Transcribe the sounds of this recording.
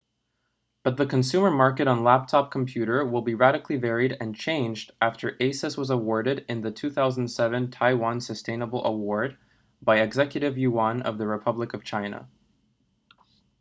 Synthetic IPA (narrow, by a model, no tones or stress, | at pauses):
b̥ʌt̪̚ðɨkʰɨ̃n̩sʉ̃mə˞mɑɹkɨɾn̩læp̚tʰɑp̚kʰm̩pʰj̥ʉɾə˞wɪlˠbiɹæɾɨkʰlivɛɹiɾɨ̃nt͡ʃʰẽɪ̃nd͡ʒdæftʰə˞ʔeɪsɨswʌzəwɔɹɾɨɾɨ̃nðɨtʰʉθaʊzn̩d̥sɛvɨ̃ntʰaɪwɑ̃nsɨstẽɪ̃nəbl̩ˠʔə̰wɔɹd̚ | baɪɨɡzɛkjɨɾɨvjʉwɑ̃nʌ̰vðɨɹɨpʰʌbləkʌv̥t͡ʃʰãɪ̃nə̰